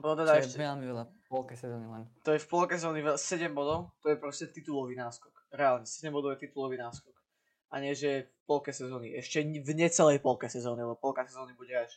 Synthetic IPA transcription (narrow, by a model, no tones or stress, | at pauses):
ɔnɔt̪ɛd̪aɛʃɛɛlmiʋɛlapɔlkɛsɛzɔːnilɛnt̪ɔjɛfpɔlkɛs̬ɛzɔːniʋɛsɛɟɛmbɔd̪ɔʊt̪ɔjɛpɾɔscɛt̪it̪ulɔʋiːnaːskɔkɾɛaːlɲɛsɛɟɛmbɔd̪ɔʊɛt̪it̪ulɔʋiːnaːskɔk | ʔaɲɪɛʒɛɛfpɔlkɛsɛzɔːniʔɛʃcɛvɲɛt͡sɛlɛjpɔlkɛsɛzɔːnilɛbɔpɔlkasɛzɔːnibuɟɛaʃ